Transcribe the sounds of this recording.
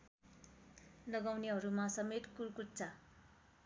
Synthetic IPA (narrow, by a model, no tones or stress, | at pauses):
lʌɡawniɦʌɾumasʌmet̪kurkut͡sa